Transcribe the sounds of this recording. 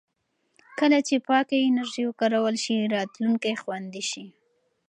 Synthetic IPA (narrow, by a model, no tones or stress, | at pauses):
kəlat͡ʃepɑkaɪnaɾʒiwəkɑɾawəlʃiɾɑt̪luŋkajxwand̪iʃi